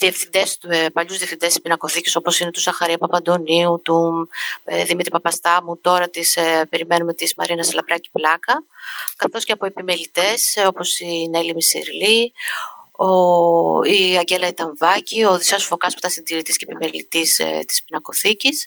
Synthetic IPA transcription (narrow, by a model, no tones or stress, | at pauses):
ðie̞fθind̪espɐʎuzðiefθind̪e̞sispinɐko̞θiciso̞po̞sine̞t̪uzɐxɐɾiɐpɐpɐnd̪o̞niut̪u | ðimit̪ɾipɐpɐst̪ɐmut̪o̞ɾɐt̪ispe̞ɾime̞numet̪ismɐ̰ɾinɐslɐpɾɐci̥plɐkɐkɐθo̞sce̞ɐpoe̞pimelit̪e̞so̞po̞sinelimisḭɾli | o | iɐɟe̞lɐit̪ɐɱvɐcio̞ðisɐsfo̞kɐspu̥t̪ɐsind̪iɾit̪iscepimelḭt̪ist̪i̥spinɐko̞θicis